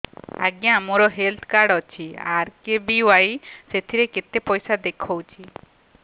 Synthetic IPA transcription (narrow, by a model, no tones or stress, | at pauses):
aɡijaamoɾɔɦelt̪ʰkaɾɖɔt͡ʃʰia̰ɾkebiwajset̪ʰiɾeket̪epɔjsad̪ekʰowt͡ʃʰi